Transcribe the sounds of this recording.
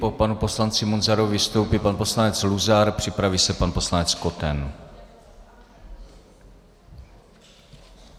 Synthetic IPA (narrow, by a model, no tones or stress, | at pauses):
popanupo̞slant͡sɪmunzaɾuvɪst̪o̞wpipanpo̞slanɛt͡sluzaɾpr̥ɪpɾaviːsɛpanpo̞slanɛt͡sko̞t̪ɛn